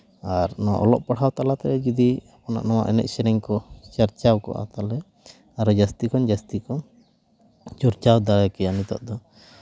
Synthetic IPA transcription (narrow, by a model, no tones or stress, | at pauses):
aɾnɔʔɔ̰lɔʔpaɽhawt̪alat̪ɛɾɛd͡ʒid̪iapna̰ʔnawa̰ʔɛnɛ̰t̪̚sɛɾɛɲkɔt͡ʃaɾt͡ʃawkɔ̰ʔa̰t̪alɛ | aɾɔd͡ʒast̪ikɔnd͡ʒast̪ikɔ | t͡ʃɔɾt͡ʃawd̪aɽɛkɛjanit̪ɔ̰ʔd̪ɔ